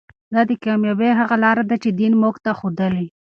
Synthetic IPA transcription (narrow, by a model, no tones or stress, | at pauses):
d̪ɑd̪əkɑmjɑbeɦaɣalɑɾad̪at͡ʃed̪inmokt̪axod̪əli